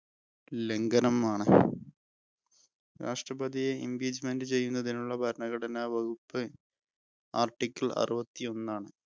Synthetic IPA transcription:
le̞ŋɡɐnɐmaːɳɨ | ɾa̰ːʂʈrɐbɐd̪ijeḭmbiːd͡ʑme̞ndɨt͡ɕe̞jːunːɐðinuɭːɐbʱɐɾɐnɐɣɐɽɐnaʋɐɡupːɨ | a̰ːrʈːikʲːɐlɐ̰rɨbɐt̪ːio̞nːaːɳɨ

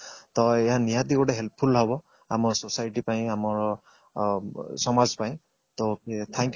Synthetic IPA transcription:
t̪ɔeɦanijat̪ikoʈeɦelt̪̚pʰulɦɔbɔ | a̰mɔsosajʈipaĩamɔɹ | sɔmazpaĩ | t̪oet̪ʰɛŋkj

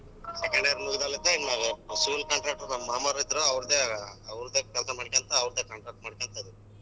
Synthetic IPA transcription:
sekɐɳɖeɾmuɡid̪aːlid̪enaːʋesuːlkaɳʈɾaːk̚ʈɐɾɐmaːmaɾɐid̪ɐɾoɐʋɾd̪eɐʋɾd̪eːkɛlsɐmaːɽikent̪ɐːʋɾd̪eːkɐɳʈɾaːk̚ʈmaːɽikent̪ɐd̪i

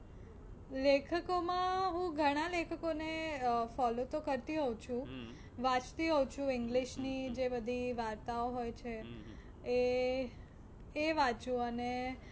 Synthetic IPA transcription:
lekʰəkomãɦũɡʱəɽ̃alekʰəkonefɔlot̪okəɾt̪iɦət͡ʃʰũ | ʋãt͡ʃt̪iɦəwt͡ʃʰũɪŋɡliʃnid͡ʒebəd̪ʱiʋaɾt̪aoɦojt͡ʃʰeː | ʋãt͡ʃũəne

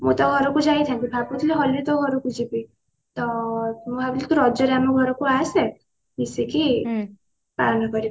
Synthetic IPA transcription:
mṵ̃t̪ɔɡʱɔɾɔkud͡ʒajt̪ʰãkibʱaput̪ʰiliɦɔljut̪ɔɡʱɔɾɔkud͡ʒibi | t̪ɔmũabilit̪uɾɔd͡ʒɔɾamɔɡʱɔɾɔkuase | misiki | pa̰ɾnɔkɔɾi

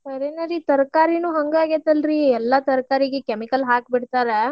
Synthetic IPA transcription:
sɐɾenɐɾit̪ɐɾkaːɾinuːɦɐŋɡaːɡet̪ɐlɾiɛlːɐt̪ɐɾkaːɾiɡekemikɐlɦaːk̚biɽt̪aːɾe

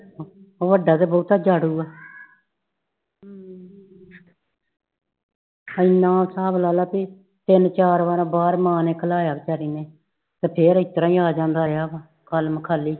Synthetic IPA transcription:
oːʋəɖaːd̪eːbɔːt̪aːd͡ʒaːɽuːaː | ɪnːãːsaːblaːlaːpiː | t̪ɪnt͡ʃaːɾʋaɾbaːɾmãːneːkəlaːjaːbt͡ʃəːɾiːneː | t̪eːpʰeːɾɪt̪ɾãːĩːaːd͡ʒãːnd̪aːɾjaːba | kəlməkʰaːlːiː

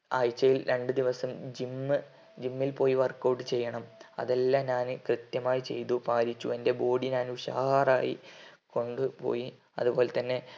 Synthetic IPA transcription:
ɐːjt͡ɕːɐjilɾʔe̞ɳɖɨd̪iʋɐsɐmd͡ʑimːɨ | d͡ʑimːilpo̞ːjiʋɐrko̞ːɖːɨt͡ɕe̞jːɐɳɐmɐ̰ðelːaɲaːnɨkrɨt̪jɐmaːjit͡ɕe̞̰jt̪upaːɾit͡ɕːue̞nde̞bo̞ːɽiɲaːnuɕa̰ːhaːraːjiko̞ɳɖɨpo̞̰ːji | ɐ̰ðubo̞ːlet̪ɐnːe̞

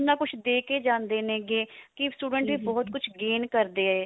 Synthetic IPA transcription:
nãːkʊt͡ʃʰd̪eːkeːd͡ʒãːnd̪eːnẽːɡeːkɪsʈuːɖəɳʈʋiːbɔːt̪̚kʊt͡ʃʰɡeːnkəɾd̪eːɛː

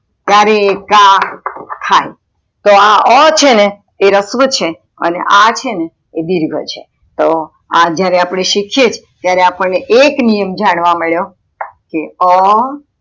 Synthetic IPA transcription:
t̪jaɾeːka | kʰaj | t̪oaʔət͡ʃʰeneː | ɾəsʋət͡ʃʰe | ə̰nḛʔat͡ʃʰeneː | d̪iɾɡʱə̰t͡ʃʰe | t̪o | ad͡ʒjaɾeapɽ̃eʃikʰjet͡ʃʰ | t̪jaɾeapəɳneʔeknijəmd͡ʒaɽ̃ʋaməɭjo | keɔ

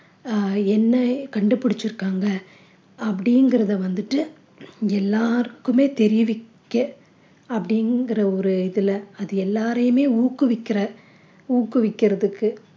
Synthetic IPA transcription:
ɛnːɐkɐɳɖɯpːɐɽɪt͡ʃːɪɾɯkːaːŋɡɐ | ɐpːɐɽɪjŋɡɪɾɐðɐʋɐnd̪ɯʈːɯ | ɛlːaːɾɯkːɯmeːt̪ɛɾɪʋɪkːɐ | ɐpːɐɽɪŋɡɪɾɐɔɾɯɪðɪlɐɐðɯɛlːaːɾɐjɯmeːuːkːɯʋɪkːɪɾɐ | uːkːɯʋɪkːɪɾɐðɯkːɯ

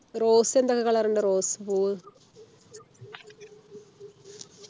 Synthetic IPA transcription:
ɾoːsend̪ɐkɐkɐɭɐɾɐɳɖɐɾoːsbuː

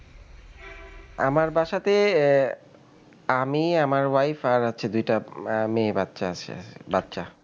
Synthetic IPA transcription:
a̰maɾbaʃat̪e | amiamaɾwajfaɾat͡ɕʰed̪ujʈameːbad̪ʃaat͡ɕʰḛbad̪ʃa

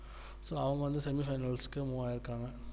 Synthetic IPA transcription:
soːɐʋɐŋɡɐʋɐnd̪ɯsɛmifɐɪnɐlskːɯmuʋaːɪɾɯkːaːŋɡɐ

